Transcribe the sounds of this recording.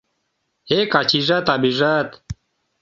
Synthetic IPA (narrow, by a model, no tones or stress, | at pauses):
hekat͡ɕiʐat̪abiʐat̪